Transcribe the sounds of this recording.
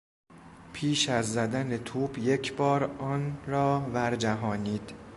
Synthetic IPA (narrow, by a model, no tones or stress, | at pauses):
pʰiːʃæzːæd̪ænet̪ʰuːbje̞cʰbɒːɾɒːnrɒːbæɾd͡ʒæɦɒːniːd̪̥